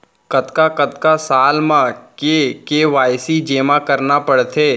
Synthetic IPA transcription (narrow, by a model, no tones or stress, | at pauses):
kɐt̪kakət̪kasaːlmãkekeʋaːjsid͡ʒeːmãkəɾnapəɽt̪ʰeː